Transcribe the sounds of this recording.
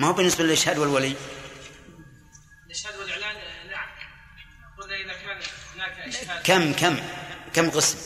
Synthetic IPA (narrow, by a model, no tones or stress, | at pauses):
mahuːbɪnːɪsbalɪlʔɪʃhaːd̪wɪlwalij | lɪʃhaːd̪wɪlʔʕlana | aquːlːaakanakamːkamkamːqɨsm